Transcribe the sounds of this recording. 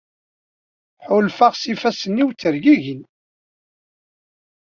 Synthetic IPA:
ħʊlfaʁsifæsənːiwt͡sːəɾɡiʝin

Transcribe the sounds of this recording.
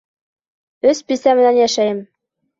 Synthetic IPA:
øspisæmɘ̆nænjæʃæjɘ̆m

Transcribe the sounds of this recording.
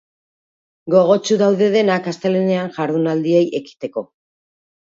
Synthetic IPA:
ɡo̞ɣo̞t͡ʃuðawðe̞ðe̞nakast̪elene̞anʝaɾðunald̪ie̞jʔe̞ki̥t̪e̞ko̞

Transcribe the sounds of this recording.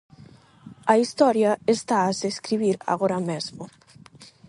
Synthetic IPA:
aist̪ɔɾjaest̪aːzeskɾiβiɾa̰ɣoɾamezmo

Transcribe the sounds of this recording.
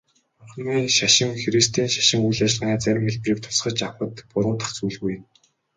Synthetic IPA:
mʊrχ̆niːŋʃaʃɪ̆ŋxeɾist̪ʰiːnʃḁʃɪ̆ŋujɮaːʃ̆naːt͡sæɾʲɪ̆mxeɮprĭːk̚t̪ʰʊ̥sχə̆t͡ɕawpə̆t̪pʊɾʊːt̪ə̥̆χt͡sujɮɣuj̆n

